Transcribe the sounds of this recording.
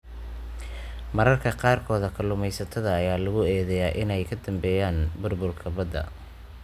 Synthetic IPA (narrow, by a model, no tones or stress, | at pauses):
mɐɾɐrkʰɐqɑːrkʰɔːðɐkʰɐlʊmɛjsɐt̪ʰɐðɐːjaːlɐɣʊɛːðɛjaːʔɪnɛjkʰɐd̪ɐmbɛːjaːnbʊrbʊrkʰɐbɐd̪ɐ̰